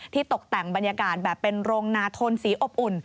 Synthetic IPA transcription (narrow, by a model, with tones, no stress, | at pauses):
t̪ʰiː˥˩t̪o˨˩k̚t̪ɛ˨˩ŋba˧njaː˧kaː˨˩t̪̚bɛː˨˩pːe˧nɾoː˧ŋnaː˧t̪ʰo˧nsiː˨˦ʔo˨˩p̚ʔu˨˩n